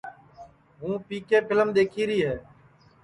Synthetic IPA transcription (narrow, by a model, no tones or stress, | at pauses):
ɦũːpiːkeːpʰɪləmɗ̪eːkʰiːɾiːɦeː